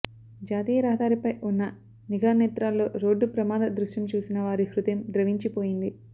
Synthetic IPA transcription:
d͡ʒaːt̪iːjɐɾɐɦɐd̪aːɾipɐjʔunːɐ | niɡaːneːt̪ɾaːlːo̞ːɾo̞ːɖːupɾɐmaːd̪ɐd̪ɾuʂʈɐmt͡ʃuːsinɐʋaːɾiɦɾut̪emd̪ɾɐʋiɲt͡ʃipo̞ːjind̪i

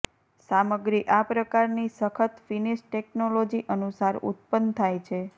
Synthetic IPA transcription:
saməɡɾiʔapɾəkaɾnisəkʰət̪finiʃʈeknolod͡ʒiʔənusaɾṵt̪̚pənt̪ʰajt͡ʃʰe

